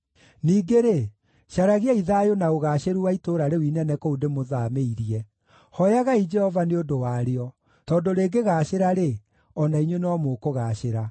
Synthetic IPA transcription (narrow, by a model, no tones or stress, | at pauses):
niːɡeɾe | ʃaɾaɣeaiðaːjonaoɣaɕeɾuwaitoɾaɾewinɛnɛkoudemoðameiɾiɛ | hɔjaɣaid͡ʒɛhɔvaneondowaːɾeɔ | tɔːdoɾeːɡeɣaːɕeɾaɾe | ɔnaiɲwenɔmokoɣaːɕeɾa